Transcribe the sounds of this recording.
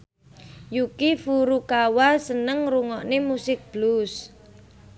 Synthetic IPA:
jukifuɾukawasənəŋruŋɔʔnemusɪk̚b̥lus

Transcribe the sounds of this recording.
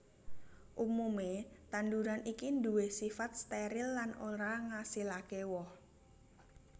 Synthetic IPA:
ʔumumet̪and̪uɾanikind̪uwehsifat̪̚st̪eɾɪlːanoɾaŋasilakewɔh

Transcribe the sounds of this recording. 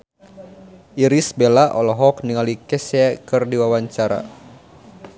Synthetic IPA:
ʔiɾisbelaʔɔlɔɦɔk̚niŋalikɛsɛkɨrdiwawaɲt͡ʃaɾa̰

